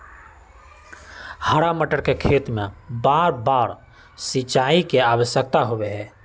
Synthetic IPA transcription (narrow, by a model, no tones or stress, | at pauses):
həɽaməʈəɾkekʰeːt̪mẽbaːɾbaːɾ | sɪt͡ʃaːikeaːʋəʃjək̚t̪aɦoweɦɛː